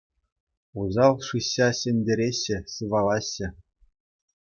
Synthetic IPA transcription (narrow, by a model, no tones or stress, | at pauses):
uzɑlˠʂɯɕːɑɕɘ̆nʲdʲeɾʲeɕːɘ̆sɯʋɑlˠɑɕːɘ̆